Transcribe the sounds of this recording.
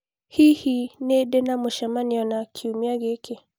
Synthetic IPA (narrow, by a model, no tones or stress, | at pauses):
hihinɛɗɛnamɔʃamaniɔnakʰiumiaɣekɛ